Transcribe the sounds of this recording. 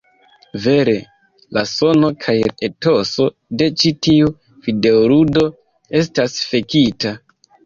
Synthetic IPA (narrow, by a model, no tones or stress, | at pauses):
ve̞ɾe̞ | laso̞no̞kʰajeto̞so̞ | de̞t͡ʃitiu | fide̞oɾudo̞ | e̞s̬tasfe̞kita